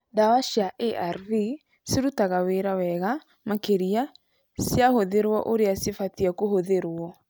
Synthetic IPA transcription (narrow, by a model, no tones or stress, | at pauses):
dawaʃiaʔeʔaɾvi | seɾutaɣaweɾawɛɣa | makeɾia | sjahoðeɾwɔ̰ʔoɾeasefatiakohoðeɾwɔ